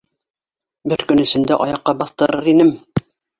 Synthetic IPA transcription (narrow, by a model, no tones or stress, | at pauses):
bɘɾkɵ̆nɘ̆sɘ̆nd̪æʔɑjɑqːɑbɑθt̪ɤ̆ɾɤɾinɘm